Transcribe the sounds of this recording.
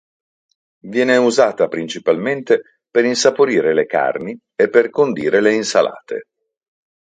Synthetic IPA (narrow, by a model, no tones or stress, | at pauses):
vjɛːneuzaːt̪apɾint͡ʃipalment̪e | peɾinsapoɾiːɾeleka̰rni | epːerkond̪iːɾeleinsala̰ːt̪ḛ